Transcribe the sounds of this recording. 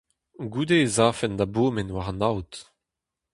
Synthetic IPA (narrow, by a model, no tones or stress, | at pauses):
ɡuːd̪ezaːfɛnd̪aboːmenwaʁanawt̪